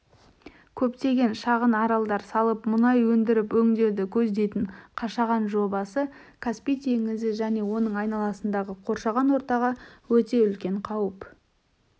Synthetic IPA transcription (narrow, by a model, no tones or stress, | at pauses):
kʲʰɵpt̪e̞ɡʲe̞nʃɑʁənɑɾɑlˠd̪ɑɾsɑlˠəpmʊnɑjwɵnd̪ɪɾɪpwɵŋd̪e̞wd̪ɪkʲʰɵzd̪e̞jt̪ɪɴqʰɑʃɑʁɑnʒo̞bɑsə | kʰaspijt̪ʰe̞ŋɪzɪʒæne̞wo̞nəɴɑjnɑlˠɑsənd̪ɑʁəqʰo̞ɾʃɑʁɑnwo̞ɾt̪ɑʁɑwɵt̪e̞ʏlkʲe̞ɴqʰɑwəp